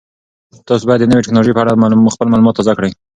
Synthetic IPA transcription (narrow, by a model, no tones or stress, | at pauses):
t̪ɑs̬obɑjad̪ːənəweʈɪknɑloʒejpəaɽamxpəlmɑlumɑt̪ːɑzakɽəj